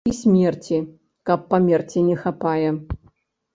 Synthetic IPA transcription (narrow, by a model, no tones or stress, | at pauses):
isʲmʲɛrt͡sʲi | kɐpːamʲɛrt͡sʲinʲɛxapajɛ